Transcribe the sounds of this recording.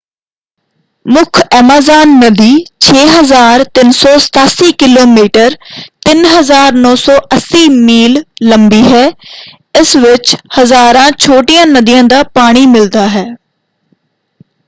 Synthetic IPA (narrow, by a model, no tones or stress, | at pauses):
mʊkʰɛmaːzaːnːəd̪iːt͡ʃʰeːɦəzaːɾt̪ɪnsɔːsə̥t̪aːsiːkɪloːmiːʈəɾt̪ɪnɦəzaːɾnɔːsɔːʔəsːiːmiːlːəmbiːɦɛː | ɪsʋɪt͡ʃhəzaːɾãːt͡ʃʰoːʈijãːnəd̪ijãːd̪aːpaːɽ̃iːmɪld̪aːɦɛː